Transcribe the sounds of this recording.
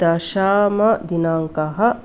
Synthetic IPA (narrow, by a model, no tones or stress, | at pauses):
d̪aʃaːmɐd̪inaːŋkaɦɐ